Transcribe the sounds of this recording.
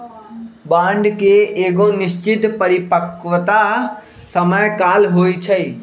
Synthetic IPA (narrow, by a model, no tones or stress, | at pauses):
bãːɳɖkeʔeːɡonɪʃt͡ʃɪt̪pɐɾipəkʋət̪a | sɐməjkaːlɦoːit͡ʃʰɐiː